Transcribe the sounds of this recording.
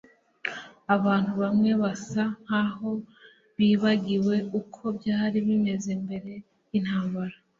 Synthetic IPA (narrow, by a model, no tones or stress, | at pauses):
aβaːn̥uβamŋe̞βasan̥haɦo̞ | βiːβaɡiwe̞ukʰo̞bjaːhɾiβime̞ze̞mbe̞ɾe̞ | in̥haːmbaɾa